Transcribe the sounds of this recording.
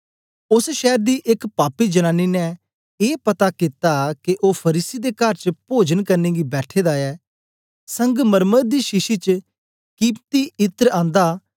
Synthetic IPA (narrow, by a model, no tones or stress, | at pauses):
ʊsʃɛːɾd̪iːʔɪkpaːpiːd͡ʒənãːnːiːnɛː | eːpət̪aːkit̪aːkeʔoːpʰəɾiːsiːd̪eːkəɾt͡ʃpoːd͡ʒənkəɾneːɡiːbɛːʈʰeːd̪aːɛː | səŋɡməɾməd̪d̪iːʃɪʃiːt͡ʃ | kiːpt̪iːɪt̪əɾãːnd̪aː